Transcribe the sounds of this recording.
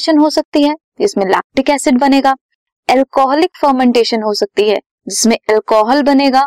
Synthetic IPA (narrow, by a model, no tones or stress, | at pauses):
ʃənɦosɐk̚t̪iɦɛ | d͡ʒɪsmẽla̰ːk̚ʈɪkɛːsɪɖbɐneːɡaː | ɛlkɔːɦɔlɪkfəɾmɛ̃ɳʈeːʃənɦosɐk̚t̪iɦɛ̰ː | d͡ʒɪsmẽɛlkɔːɦəlbɐneːɡaː